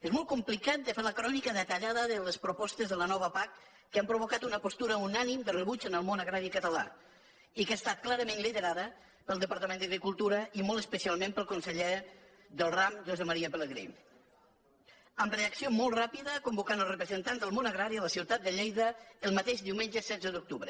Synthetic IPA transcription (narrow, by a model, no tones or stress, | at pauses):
ezmɔlˠt̪kumplikat̪̚d̪əfeləkɾɔnikəðət̪əʎaðəðələspɾupɔst̪əzðələnɔβ̞əpakː | əampɾuβukat̪unəpost̪uɾəunanimd̪ərəβud͡ʒənəlˠmonəɣɾaɾikət̪əla̰ | ikast̪at̪̚klaɾəmẽnliðəɾaðə | pəlˠd̪əpəɾt̪əmẽnd̪əɣɾikulˠt̪uɾəimɔlˠt̪əspəsialˠmempəlˠkunsəʎe | ðəlˠramʒozəməɾiəpələɣɾḭ | əmreəksiomɔlˠt̪rapiðəkumbukanəlˠsrəpɾəzənt̪anzðəlˠmonəɣɾaɾiələsiwt̪at̪d̪əʎejðəəlˠmət̪eʒd̪iwmenʒəsɛd͡zəðuk̚t̪uβɾə